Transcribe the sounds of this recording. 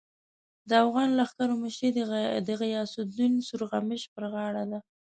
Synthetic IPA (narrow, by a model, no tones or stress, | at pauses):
d̪əafɣɑnlaxk̪aɾoməʃɾid̪əɣɪjɑsʊd̪unsuɾɣamɪʃpəɾɣɑɽad̪a